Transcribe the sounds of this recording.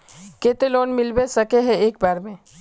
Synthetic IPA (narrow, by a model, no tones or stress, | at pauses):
keːt̪eloːnmɪlbesɐkeɦɛ̃eːk̚baːɾmẽ